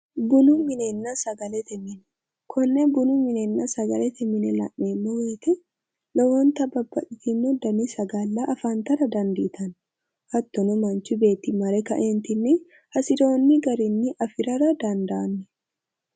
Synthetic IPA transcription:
bʊnumɪnenːasɐɡɐlɛt̪ɛmɪnɛ | kʰɔnːebʊnumɪneːnːasɐɡɐlɛt̪ʰɛmɪnɛlɐ̰ʔːeːmːowiːt̪ɛ | lɔwɔnt̪ɐbɐbːɐᶑɪt̪inːɔd̪ɐnisɐɡɐlːaʔɐfaːnt̪ɐɾɐd̪ɐnd̪iːt̪ʰɐn | hɐt̪ːɔnɔmɐnt͡ʃɪbe̞ːt̪imɐɾɛkɐʔeːnt̪ɪnːɛ | hɐsɪd̪oːnːɪɡɐɾinːɪʔɐfɪɾɐɾɐd̪ɐnd̪ɐʔɐnːɛ

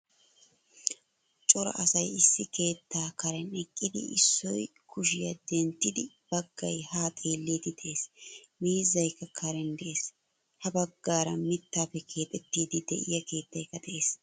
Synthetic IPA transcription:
t͡ʃʼɔɾɐ̰ʔɐsɐjɪsːɪke̞ːt̪ːaːkɐɾɛnɛkʼːɪd̪ɪ̰ɪsːɔjkʰʊʃɪjɐd̪ɛnt̪ːɪd̪ɪ | b̥ɐɡːɐ̰jhaːt̪ʼeːlːiːd̪ɪd̪ɛʔeːs | miːzːɐjkːɐkʰɐɾɛnd̪ɛʔe̞ːs | hɐbɐɡːaːɾɐmɪt̪ːaːpːɛkʰe̞ːt̪ʼɛt̪ːiːd̪ɪd̪ɛ̰ʔɪ̰jɐke̞ːt̪ːɐjkːɐd̪ɛʔe̞ːs

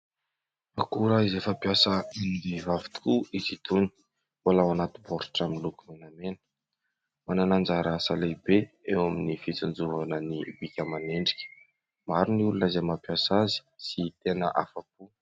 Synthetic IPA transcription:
akuɾaizefəapiasəind̪ivavi̥t̪u̥kuizit̪uni̥ | walawanat̪iboɾu̥ʈ͡ʂaminlukumenamenə̥ | mananand͡ʒaɾasalebeewaminifit͡sund͡zuvanənibikʲəmaneɳɖ͡ʐi̥kʲə̥ | maɾiniulunazemapjasazi̥sit̪enə̰ʔa̰fapu

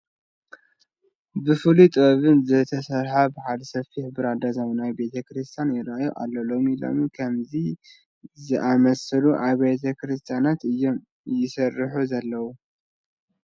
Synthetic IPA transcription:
bɨfɨlut̪ʼɨβɐβɨnzɐt̪ʰɐsɐɾħabɨħad̪ɐsɐfihbɨɾad̪azɐmnajbe̞t̪ʰɐkɾɨst̪ʰjanjɪɾajoʔalːɐlo̞milo̰mkʰɐmzi | zɨʔamɐsɨluʔaβet̪ʰɐkʰɾɨst̪ʰjanat̪ɨjːo̞m | jɪsɐrːɨħuzɐlːɐwu

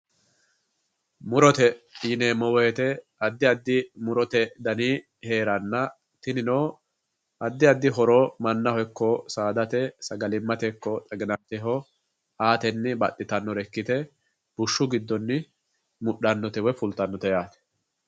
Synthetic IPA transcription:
mʊɾɔt̪ɛineːmɔwɔɛt̪ɛ | ɐd̪ːɪɐd̪ːɪmʊɾɔt̪ɛd̪ɐniː | he̞ːɾɐnːɐ | t̪ɪnɪnoː | ʔɐd̪ːɪɐd̪ːɪɦɔɾoːmɐnːɐhɔjkːɔsaːd̪ɐt̪ɛsɐɡɐlɪmːɐt̪ɛkːɔt͡sʼɐɡɪnɐt̪ɛɦɔ | aːt̪ɛnːɪbɐɗːɪt̪ɐnːɔɾɛkːɪt̪ɛ | b̥ʊʃːʊɡɪd̪ːɔnːɪ | mʊɗɐnːɔt̪ɛwɛfʊlt̪ɐnːɔt̪ɛjaːt̪ɛ̥

